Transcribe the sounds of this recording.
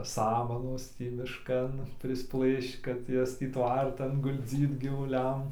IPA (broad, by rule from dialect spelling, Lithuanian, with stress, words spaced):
ˈsɑːmɐnoːs ˈtʲiː mʲɪʃˈkɐn pʲrʲɪsˈplˠɘʃt͡ʃ kɐt ˈjɛs tʲiː ˈtʋɐrtɐn ɡʊlʲˈd͡zʲiːt ɡʲiːʋʊˈlʲɛm